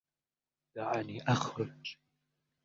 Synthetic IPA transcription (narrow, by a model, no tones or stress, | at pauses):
d̥aʕaniʔaχrɨt͡ʃʼ